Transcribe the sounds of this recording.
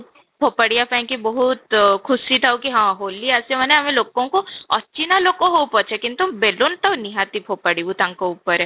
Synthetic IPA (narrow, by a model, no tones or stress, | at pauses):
pʰoːpəɽijapɛ̃kibɐɦut̪kʰʊsit̪ʰaukiɦãɦoːliasemɐnẽɦɐmẽloːkõkoɐtːt͡ʃinaloːkːoɦopɔt͡ʃʰekint̪ubelont̪ɐniɦat̪ipʰoːpəɽibut̪ãŋkoupːəɾɛ